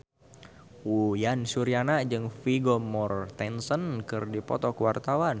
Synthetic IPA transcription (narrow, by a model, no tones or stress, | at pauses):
ujansuɾianad͡ʒɨŋfiɡomɔrt̪ɛnsənkɨrdipɔ̰t̪ɔkwart̪awan